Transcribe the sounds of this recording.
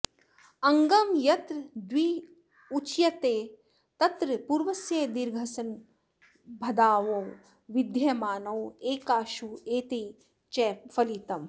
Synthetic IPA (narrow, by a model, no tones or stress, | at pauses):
ɐŋɡɐmjɐt̪ɾd̪wiː | ut͡ʃjɐt̪eː | t̪ɐt̪ɾɨpuɾʋɐsjeːd̪iɾɡʱɐsɐn | bʱɐd̪aːʋɐow | ʋid̪jɐmaːnɐweːkaːʃueːt̪eː | t͡ʃeːfɐlit̪ɐm